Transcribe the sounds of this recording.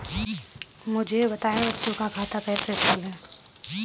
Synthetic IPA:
mʊd͡ʒʱebɐt̪aːjẽbɐtːt͡ʃõkakʰaːt̪apɛːseʈʰiːlɦɛ̃ː

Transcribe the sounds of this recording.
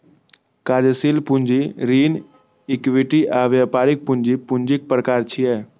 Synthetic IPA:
kaːd͡ʒsiːlpund͡ʒiɾiːn | ɪkʋiʈiʔaʋjapaːɾɪk̚pʊɲd͡ʒipʊɲd͡ʒik̚pɾəkaːɾt͡ʃʰiɛ

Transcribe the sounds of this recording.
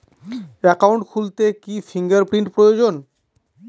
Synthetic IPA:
ɛkawɳʈkʰult̪ekifʰiŋɡaɾpɾiɳʈpɾojod͡ʑon

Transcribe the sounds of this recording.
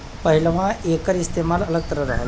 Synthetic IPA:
pəɦiləʋãʔekəɾist̪emalələɡt̪əɾəɾaɦal

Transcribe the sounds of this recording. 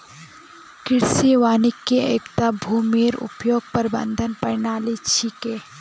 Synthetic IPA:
kɪɾseʋaːnɪkːeeːkt̪abʱuːmeːɾʊ̰pjoːɡ̚pɐɾbɐ̰̃nd̪ʱənpɐɾnaːlit͡ʃʰikeː

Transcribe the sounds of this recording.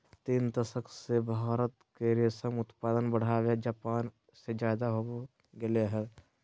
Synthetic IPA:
t̪iːnd̪ɐsəkʰsebʱaːɾət̪keɾesəmʊt̪paːd̪ənbəɽ̤aːʋed͡ʒaːpaːn | sed͡ʒjaːd̪aɦo | ɡɪleɦɛː

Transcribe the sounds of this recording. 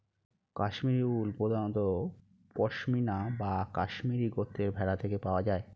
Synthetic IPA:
kaʃmiɾiulpod̪anot̪o | kɔʃminabakaʃmiɾiɡot̪ʰːeɾbʱɛɾat̪ʰekepaoad͡ʑae

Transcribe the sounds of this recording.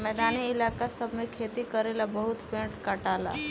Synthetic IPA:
mɛːd̪aniɪlaːkasəbʱmẽkʰeːt̪ikəɾelabəɦut̪pẽɳʈkaʈaːla̰

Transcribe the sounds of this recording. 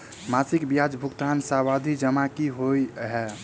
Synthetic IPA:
masikbijad͡ʒbʱukt̪ansawad̪ʱid͡ʒəmakiɦojɦɛ

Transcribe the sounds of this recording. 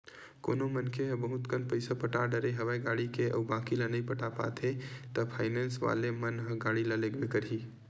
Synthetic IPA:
ko̰ːnomənkʰeɦə̃bəɦʊt̪kənpəɪsapəʈaɖəɾeɦɐʋaːiɡaːɽikeʔə̰baːkilənəĩpəʈapa̰t̪ɦet̪əpʰa̰ːɪneːnsʋa̰ːlemənɦə̃ɡaːɽiləleɡʋekəɾɦiː

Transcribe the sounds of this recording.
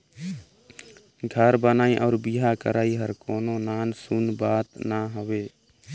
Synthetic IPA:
ɡʱəɾbənaːĩːʔɔːɾbiːɦaːkə̰ɾʔaːiːɦəɾkoːnõːnaːnsʊnbaːt̪naːɦoʋeː

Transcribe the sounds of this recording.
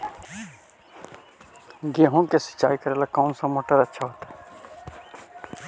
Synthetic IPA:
ɡeɦõkesɪ̥t͡ʃaːikəɾelakɔʊnsamoːʈəɾətːʃʰaɦoːt̪a

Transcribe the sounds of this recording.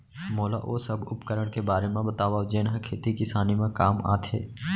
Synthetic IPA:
moːla̰ʔoːsɐbʱʊpkəɾəɽ̃kebaːɾemẽbɐt̪aːʋaːd͡ʒeːnɦakʰeːt̪ikɪsaːnimẽkaːma̰ːt̪ʰɦḛː

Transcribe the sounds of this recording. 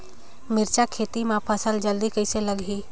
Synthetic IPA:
mɪɾt͡ʃakʰeːt̪imãpʰasəld͡ʒəld̪ikəɪseləɡɦiː

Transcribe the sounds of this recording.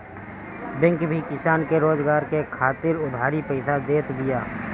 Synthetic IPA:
bɪ̃ŋkbʱikɪsaːnkeɾoːd͡ʒɡaːɾkekʰaːt̪ɪɾʊd̪ʱaːɾipɛɪsad̪eːt̪d̪ɪjaː

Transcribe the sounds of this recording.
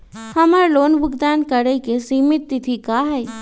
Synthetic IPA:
hɐmaɾloːnbʱʊɡd̪aːnkəɾəikesiːmɪt̪ːit̪ʰikaːɦɛː

